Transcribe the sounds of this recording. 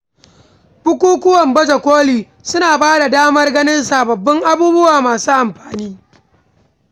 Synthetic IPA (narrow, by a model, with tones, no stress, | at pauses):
b̥ʊ˦kʷuː˦kʷʊ˦wɐ˨mbɐ˦d͡ʒɐ˨kʷoː˦liː˨ | sʊ˦naː˨baː˦da˨daː˦mɐ˦rɡɐ˦nɪ˦nsa˨bɐ˨bːɐ˦ŋʔa˦buː˦bʊ˦waː˨maː˨suː˦ʔa˨mɸaː˨niː˦